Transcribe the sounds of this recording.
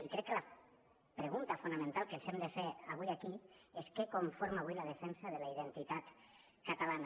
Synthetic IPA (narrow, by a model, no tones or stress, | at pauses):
ikɾɛkːəla | pɾeɣunt̪afunamẽnt̪alˠkenzɛmd̪efeaβujakieskekoɱfoɾmaːβujlaðefɛnsaðelaiðent̪it̪at̪ | kat̪alana